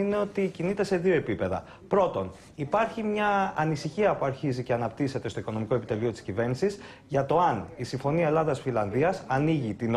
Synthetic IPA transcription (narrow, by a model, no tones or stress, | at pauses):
ineo̞t̪icinit̪e̞se̞ðioe̞pipe̞ðɐ̰ | pɾo̞t̪o̞n | ipɐɾçimɲɐːnisiçiɐpuɐɾçizice̞ɐnɐpt̪ise̞t̪e̞st̪o̞iko̞no̞miko̞epit̪e̞lio̞t̪iscive̞ɾnisiz | ʝɐt̪o̞ɐnisiɱfo̞niɐe̞lɐðɐsfilɐnðiɐsɐniʝit̪in